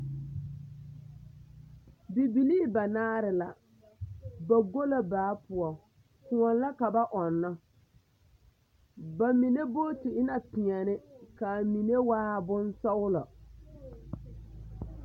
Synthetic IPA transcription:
bi˨bi˨liː˦ba˨naː˦ɾɪ˨la˨ | ba˨ɡo˦la˦baː˨˦pʊ˨ɔ˨ | kũ˨ɔ˨n˦la˦ka˨ba˦ʔɔ˨nːa˦ | ba˨mi˨ne˦bo˦tɪ˨ɪ˦na˨pɪ˨ɛ˨nɪ˦ka˨mi˨ne˦waː˦bʊ˦nsɔ˦wʊ˦lɔ˨

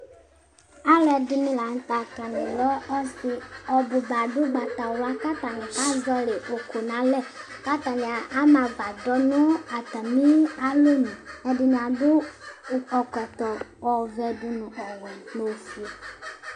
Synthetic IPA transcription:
a˦lɛ˨dɪ˨mĩ˦la˨ŋ˦t̪a˨ta˨nẽ˨lɔ˦ɔ˦si˦ɔ˨bo˨ba˨ɖo˦ɡ͡ba˨t̪a˨wo˨˦a˦ka˦t̪a˨nẽ˨ka˦zɔ˦le˨o˨ko˨nã˦lɛ˦ | ka˦t̪ã˨ne˨a˨ʔa˦mã˨ba˨ɖɔ˦nɔ̃˦a˨t̪a˨mĩ˦a˦lo˦nĩ˨ɛ˦dɪ˨ñ˨a˨do˦˨ | ɔ˨kɛ˨t̪ɔ˨wɔ˨vɛ˨ɖu˨nũ˨ʔɔ˨wɛ˨mo˨si˨

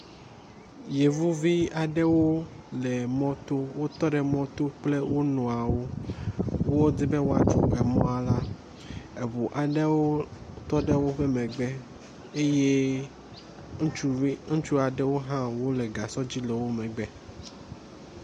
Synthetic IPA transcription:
je˨vu˦vi˦a˨ɖɛ˦wo˦lɛ˨mɔ̃˦t̪o˦wo˦t̪ɔ˦ɖɛ˨mɔ̃˦t̪o˦k͡ple˦wo˦nɔ̃˨a˨wo˦ | wo˦d͡ze˦be˦wo˦a˨t͡ʃṵ˦e˨mɔ̃˦a˨la˦ | e˨βu˨ʔa˨ɖe˦wo˦t̪ɔ˦ɖe˦wo˦ɸe˦mɛ̃˨ɡ͡bɛ˦ | e˦je˦ | ŋ̩˦u˦ŋ̩˦t͡ʃu˦a˨ɖɛ˦wo˦ɦã˦wo˦lɛ˨ɡa˨sɔ˦d͡ʑi˦lɛ˨wo˦mɛ̃˨ɡ͡bɛ˨

